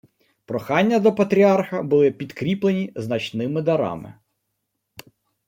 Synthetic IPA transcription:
pɾɔxɑnʲːɐd̪ɔpɐt̪ɾʲiɑrxɐbʊlˠɪpʲid̪kɾʲiplˠenʲiznɐt͡ʃnɪmɪd̪ɐɾɑ̰mɪ̰

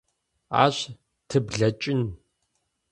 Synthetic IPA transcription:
a̰ːɕ | tʰɨbɮɐt͡ʃʼɪn

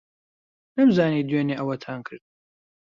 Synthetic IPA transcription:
nɐmzaːniːd̪ɥeːneʔɐwɐt̪ʰaːnkʰɨɾd̪̚

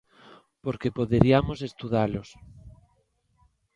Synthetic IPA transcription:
poɾkepoðeɾiamosest̪uð̞alos

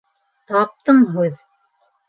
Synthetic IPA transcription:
t̪ɑp̚t̪ɤmɦʉð

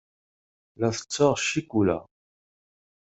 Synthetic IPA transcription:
læθə̥t͡sːəʁʃikulæ̰

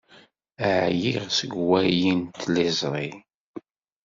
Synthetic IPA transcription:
əʕjiʁsəɡwæjint̪lizˤɾˤi

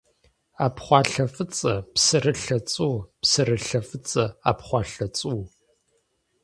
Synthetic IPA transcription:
aːpχʷɑːɬɐfɨt͡sʼɐpsɨrɨɬɐt͡sʼuːpsɨrɨɬɐfɨt͡sʼɐa̰ːpχʷɑːɬɐt͡sʼuː

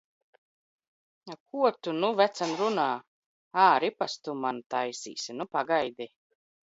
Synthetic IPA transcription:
akuɔt̪unuvæt̪sanɾunaː | aːɾipast̪umant̪ajsḭːsʲinupaɡajd̪i

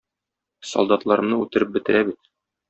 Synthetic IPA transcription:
sɒ̰lˠd̪ɑt̪lˠɑɾɤ̆mnɤʉt̪ɘ̆ɾɘp̚bɘ̆t̪ɘ̆ɾæbit̪̚

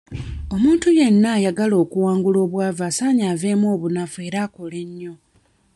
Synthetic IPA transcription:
o̞muːntuje̞nːaːjaɡalo̞ːkuwaːŋɡulo̞ːβwaːvaːsaːɲaːve̞ːmo̞ːβunavue̞ːɾaːko̞le̞ɲːo̞

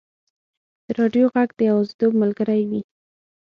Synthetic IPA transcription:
d̪̥əɾɑɖjoɣaɡd̪əjawazd̪obmalɡəɾajwi

